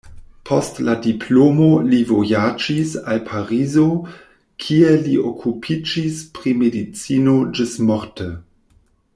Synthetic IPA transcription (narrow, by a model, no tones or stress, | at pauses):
pʰostladipʰlomolivojad͡ʒisalpʰaɾizo | kʰieliʔokʰupʰid͡ʒispɾimedit͡sinod͡ʒismoɾtə